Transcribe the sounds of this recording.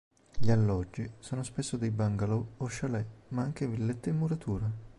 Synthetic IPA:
ʎialːɔd͡ʒːisoːnospesːod̪ejbaŋɡalɔoʃːalɛmaaŋk̟evilːɛt̪ːeɪmːuɾat̪ʰuːɾa

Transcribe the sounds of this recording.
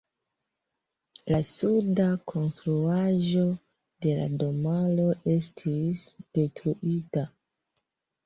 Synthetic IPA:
lasudakʰo̞nstɾuaʒo̞ | de̞la̰do̞malo̞ʔe̞stʰisd̥e̞tɾuʔita

